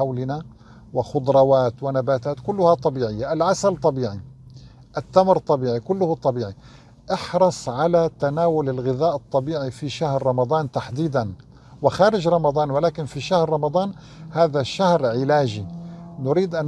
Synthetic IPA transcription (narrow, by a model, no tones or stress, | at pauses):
awlɪna | wɪxʊd̪ˤɾˤɑwaːt̪wɪnabaːt̪aːt̪kʊlːʊhat̪ˤːɑbiːʕɪjːaʔɪlʕasalt̪ˤːɑbiːʕi | ʔɪt̪ːamɾt̪ˤɑbiːʕikʊlːʊhut̪ˤːɑbiːʕi | ʔɪħɾˤɑsˤʕalat̪anaːwʊlɪlɣɪðaːʔɨt̪ˤːɑbiːʕifiʃahɾːˤɑmɑd̪ˤɑːnt̪aħd̪iːd̪an | wɪxaːɾɪd͡ʒɾˤɑmɑd̪ˤɑːnwɪlaːkɪnfiʃahɾːˤɑmɑd̪ˤɑːn | haːðaʃahɾʕɪlaːʒinʊɾiːd̪ʔan